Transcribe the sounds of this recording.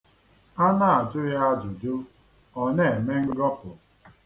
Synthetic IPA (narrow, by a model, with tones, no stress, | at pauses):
a˦na˦˨a˨d͡ʒʊ˦ja˦a˦d͡ʒʊ˨d͡ʒʊ˦ | ɔ˦ne˦e˨me˦ŋ̩˦ɡɔ˦pʊ˨